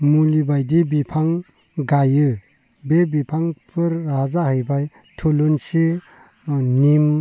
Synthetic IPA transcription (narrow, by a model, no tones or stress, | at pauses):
mulibajdibipʰaŋ | ɡajɯ | bebipʰaŋpʰɯɾːazaɦɯjbaj | tʰulunsi | nim